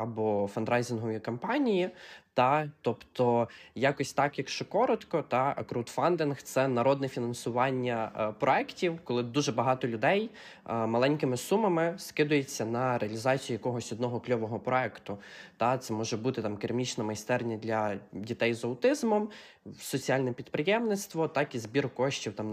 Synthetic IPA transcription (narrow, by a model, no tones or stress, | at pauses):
ɐbɔfɐnd̪ɾɑjzɪnɦɔʋʲikɐmpɑnʲijit̪ɑt̪ɔpt̪ɔjɑkɔsʲt̪ɑkjɐkʃt͡ʃɔkɔɾɔt̪kɔt̪ɑɐ̰kɾʊwt̪fɑnd̪ɪnxt̪sɛnɐɾɔd̪nɛfʲinɐnsʊʋɑnʲːɐpɾɔɛktʲiwkɔlˠɪd̪uʒɛbɐɦɑt̪ɔlʲʊd̪ɛj | mɐlˠɛnʲkɪmɪsumɐmɪskɪd̪ʊjet͡sʲːɐnɐɾeɐlʲizɑt͡sʲijijɐkɔɦɔsʲɔd̪nɔɦɔklʲɔʋɔɦɔpɾɔɛkt̪ʊt̪ɑt̪sɛmɔʒɛbut̪ɪt̪ɑmkɪɾmʲit͡ʃnɐmɐjst̪ɛrnʲɐd̪lʲɐdʲit̪ɛjzɐwt̪ɪzmɔm | sɔt͡sʲiɑlʲnɛpʲid̪pɾɪjɛmnɪt̪st̪ʋɔt̪ɑkizbʲirkɔʃt͡ʃʲiwt̪ɑm